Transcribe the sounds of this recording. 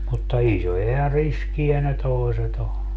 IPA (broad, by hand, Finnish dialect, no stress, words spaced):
mutːɑ isojɑ jɑ riskiæ ne toi̯set o